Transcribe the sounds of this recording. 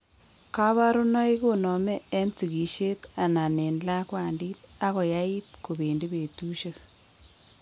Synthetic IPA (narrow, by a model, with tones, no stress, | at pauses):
ka˦βa˦ɾʊ˦nɔ˦i˦ko˦nɔ˨me˦ɛ˦nt͡si˨ɣi˨ʃe˦t̪a˨na˨ne˨nla˦kwa˨ndi˦t̪̚a˦kɔ˨ja˦i˦t̚ko˨be˨ndi˦be˨tu˦ʃe˦k